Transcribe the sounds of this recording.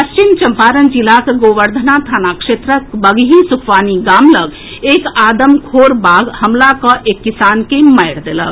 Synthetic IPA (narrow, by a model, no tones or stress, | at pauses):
əst͡ʃint͡ʃəmpaːɾənd͡ʒilakeɡoʋəɾd̪ʱənat̪ʰaːnakʂet̪ɾəkbəɡɦisukʰʋaːniɡamləɡ | ekaːd̪əmkʰoɾbaɡhəmlakɔ̃ʔekːisankeməɪɽd̪elə̰k